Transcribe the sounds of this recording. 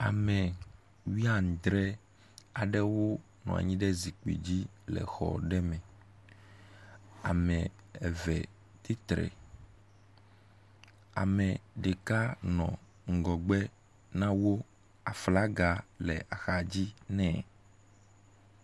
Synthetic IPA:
a˨mɛ̃˨ | wi˦a˦˨ŋ˨d̪ɾɛ˦ | a˨ɖɛ˦wo˦ | nɔ̃˨a̰˨ɲĩ˦ɖɛ˦zi˨k͡pḭ˨d͡ʑi˦ | lɛ̰˨xɔ̰˨ɖɛ˦mɛ̃˨ | a̰˨mɛ̃˨ | ɛ˨vɛ˨ | t̪i˦t̪ɾɛ̰˨ | a̰˨mɛ̃˨ɖe˨ka˦nɔ̃˨ | ŋ̩˨ɡɔ˨ɡ͡bɛ˦ | nã˦wo˦ | a˨fla˦ɡa˨lɛ̰˨a˨xa˨d͡ʑi˦nɛ̃˦˨

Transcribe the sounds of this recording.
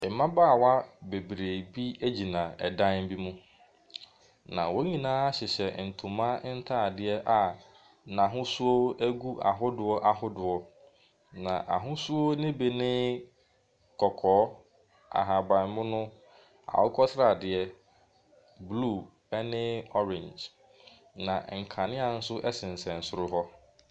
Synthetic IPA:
ɛ˨mã˦baː˦˨wa˦be˨bɾe˨bi˦e˦d͡ʑi˨nã˨ɛ˨dã˦nm̩˦bi˦mʊ̃˦ | nã̰˨wo˦ɲĩ˨nãː˦a˦ɕɪ˨ɕɛ˨n̩˨tʰũ˨mã˦n̩˦tʰa˦˨dɪ˨ɛ˦ʔa˨ | nã˨ɦʊ̃˦su˦o˦æ˦ɡu˦ʔa̰˨ɦʊ˦dʊ˨ɔ˦ʔa˨ɦʊ˦dʊ˨ɔ˨ | nã̰˨ʔa̰˨ɦʊ̃˦su˦o˦nɪ̃˦be˨nɪ̃˦ | kʰɔ˨kʰɔː˨˦ | a̰˨ɦa˨bã˨n˨mʊ̃˦nʊ̃˦ | a̰˨wɔ˦kʰɔ˦sɾa˨dɪ˨ɛ˦ | bluː˦˨ | ɛ˦nɪ̃˦ɔ˦ɾɪ̃˨nd͡ʒ | nã˨ŋ̩˨kʰã˨nɪ̃˦a˨n̩˦sʊ˦ʔɛ˦sɪ̃˨n̩˨sɛ̃˨n̩˨sʊ˦ɾʊ˦ɦɔ˦

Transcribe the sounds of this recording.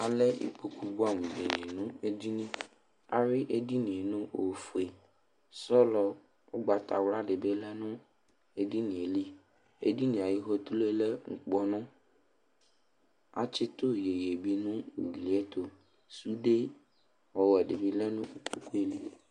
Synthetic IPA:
a˨lɛ˦ḭ˨k͡po˨ku˦bu˦a˦m̃˨ɖe˨ni˨nʊ̃˦e˦d̪i˦nĩ˦ | a˨ɾɪ˦ʔe˦di˦nĩ˨e˨nʊ̃˦ʔo˨fu˨e˨ | sɔ˦lɔ˨ | o˦ɡ͡ba˨t̪a̰˨wla˦ɖɪ˨be˦lɛ˦nʊ̃˦ | e˦di˦nĩ˨e˨li˦ | ḛ˦di˦nĩ˨a˨ji˦ɦo˦t̪u˦le˦lɛ˦ŋ̩˨k͡pɔ˦nʊ̃˦ | a̰˨t͡ʃɪ˦t̪ʊ˦je˨je˨bi˦nʊ̃˦ṵ˨li˨˦ɛ˦t̪o˨ | su˦ɖe˦ | wɔ˨wɛ˨ɖɪ˨bi˦lɛ˦nʊ̃˦u˦˨k͡pu˦ku˦e˦li˦

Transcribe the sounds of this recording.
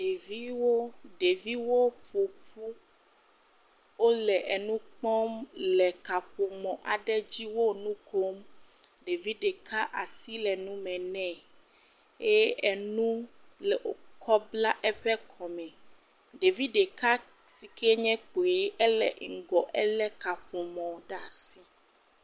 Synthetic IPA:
ɖe˨vi˦wo˦ɖe˨vi˦wo˦ɸo˨ɸu˦ | wo˦lɛ˨ʔɛ˨nũ˦k͡pɔ̃˦mlɛ˨ka˨ɸo˨mɔ̃˨ʔa˨ɖɛ˦d͡ʑi˦wo˦nũ˦kʰo˦m | ɖe˨vi˦ɖe˨ka˦ʔa˨si˦lɛ˨nũ˦mɛ̃˨nɛ̃˦ | e˦ɛ˨nũ˦lɛ˨ʔo˨kʰɔ˦bla˦ʔɛ˦ɸɛ˦kʰɔ˨mɛ̃˨ | ɖe˨vi˦ɖe˨ka˦ | si˨kʰe˦ɲɛ̃˦k͡po˨e˨˦ʔɛ˦lɛ̰˨ŋ̩˨ɡɔ˨ʔɛ˦lɛ˦ka˨ɸo˨mɔ̃˨ɖa˦˨si˦

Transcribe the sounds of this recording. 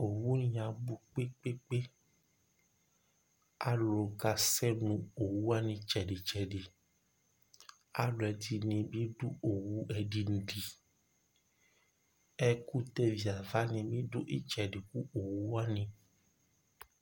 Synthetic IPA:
o˨wu˦nĩ˨a˨bu˨k͡pe˦k͡pe˦k͡pe˦ | a̰˦lo˨ka˨sɛ˦nũ˨o˨wu˦a˦nĩ˧t͡ʃɛ˨ɖi˨t͡ʃɛ˨ɖi˨ | a̰˦lɔ˨ɛ˨ti˨nẽ˧bi˦ɖu˦o˨wu˦ɛ˨ɖi˨n̩˨ɖi˨ | ɛ˦ku˦t̪ɛ˦vi˨a˨va˦nĩ˨bi˦do˦ʔi˦t͡ʃɛ˨ɖi˨ku˦o˨wu˦a˦nĩ˨

